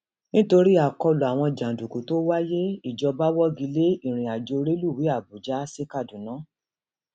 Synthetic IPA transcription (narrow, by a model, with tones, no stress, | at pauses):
nĩ˦to˧ɾi˦a˦˨kɔ˧lu˨a˨w̃ɔ̃˧d͡ʒã˨du˨ku˨˦to˦wa˦je˦i˦˨d͡ʒɔ˧ba˦wɔ˦ɡi˨˦le˦i˦˨ɾ̃ĩ˨a˨d͡ʒo˧ɾe˦lu˦˨wi˨˦a˦˨bu˨d͡ʒa˨˦se˦ka˦˨du˨nã˨˦